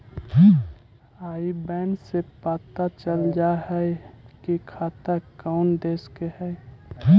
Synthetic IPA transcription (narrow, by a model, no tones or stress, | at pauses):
aːibɛːnsepaːt̪at͡ʃəld͡ʒaɦɛkikʰat̪əkaʊnd̪eːskehɛ